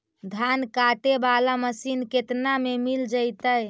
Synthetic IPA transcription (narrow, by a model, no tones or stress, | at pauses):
d̪ʱankaʈebalaməsinket̪namemild͡ʒəjt̪əj